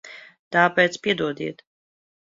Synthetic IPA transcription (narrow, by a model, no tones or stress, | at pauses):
t̪apɛːt̪spiɛd̪uɔd̪iɛt̪